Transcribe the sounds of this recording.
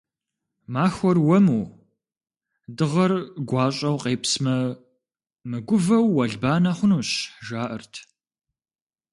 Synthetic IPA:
maːxʷɔrwɐmuː | dɨʁɐrɡʷɑːɕʼɐwqeːpsmɐ | mɨɡʷʊvɐwːɐɮbaːnaχʷʊnuːɕʒaːʔɐrtʰ

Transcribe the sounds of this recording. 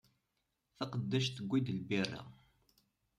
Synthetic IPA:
θɑqəd̪ːæʃt̪əɡʷːid̪əlbirːḭʁ

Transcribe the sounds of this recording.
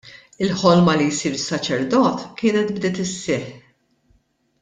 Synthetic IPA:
ɪlħɔlmɐlijsiːɾɪsːɐt͡ʃɛɾd̪ɔːt̪kɪːnɛt̪bd̪ɪːt̪ɪsːɪħ

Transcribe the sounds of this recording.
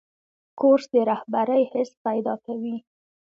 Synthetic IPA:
koɾsd̪əɾahbaɾəjhɪspajd̪ɑkawi

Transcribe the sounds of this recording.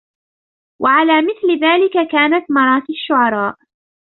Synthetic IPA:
wʔaʕalaːmɪθlɪðaːlɪkakaːnat̪mɑɾˤɑːt̪ɪʃːʊʕɑɾˤɑːʔ

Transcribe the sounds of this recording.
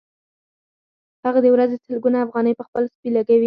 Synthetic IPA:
haɣad̪əwɾazesəlɡunaːfɣɑnəjpəxpəlspilaɡawi

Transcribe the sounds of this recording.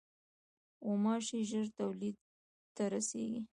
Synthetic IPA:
omɑʃiʒəɾt̪awlid̪̚ | t̪aɾasḛɡi

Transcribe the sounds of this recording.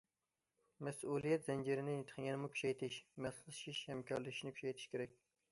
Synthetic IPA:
mɛsulˠijɛt̪z̥ɛnd͡ʒiɾɪnɪnit̪ʰqʰjɛnɨmukʲy̥ʃɛjt̪ʰɪʃmɛslˠʃiʃhɛmkʲʰɑɾlɨkʲiʃnɪkʰʲy̥t͡ʃɛjt̪ʰɪ̥ʃkʲʰeɾɛkʲ

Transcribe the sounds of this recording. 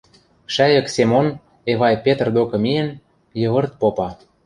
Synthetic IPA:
ʃæjɤ̆ksemon | eβɑjpet̪ərd̪okɤ̆miə̆n | jɤ̆βɤ̆rt̪̚popɑ

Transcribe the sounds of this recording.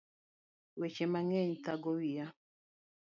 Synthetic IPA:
wet͡ʃemaŋɛɲt̪aɡɔwija

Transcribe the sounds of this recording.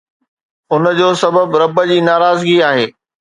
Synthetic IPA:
ʊnəd͡ʑoːsɐbəbɾɐbəd͡ʑiːnaːɾaːzɡiaːɦeː

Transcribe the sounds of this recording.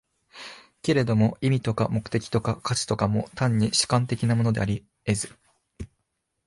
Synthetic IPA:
ke̞ɾe̞d̪o̞mo̞imʲit̪o̞kamo̞kɯ̟̥t̪e̞kʲi̥t̪o̞kakat͡ɕi̥t̪o̞kamo̞t̪ãɲ̟ːiɕi̥kãnt̪e̞kʲinamo̞no̞d̪e̞̰aɾʲi | e̞zɨ

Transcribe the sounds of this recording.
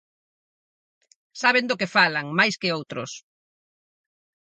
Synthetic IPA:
saβend̪okefalaŋmajskɪowt̪ɾʊ̰s

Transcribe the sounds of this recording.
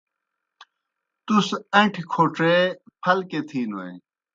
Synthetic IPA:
t̪usɐ̃ʈʰkʰoːʈe | pʰɐlket̪ʰiːnwɐ̰j

